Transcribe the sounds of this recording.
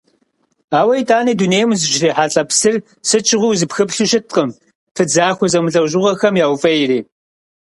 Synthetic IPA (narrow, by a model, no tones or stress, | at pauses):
aːwɐjtʰaːniːduneːjmzɨʒɪriːħaːɬʼɐpsɨr | sɨt͡ʃʼɪʁʷʊwzɨpxɨpɬɨʃɪt̚qəm | pɨd͡zaːxʷɔzɐmɨɮɐwʒʊʁɐxɐmjaːwfɐjɪɾiː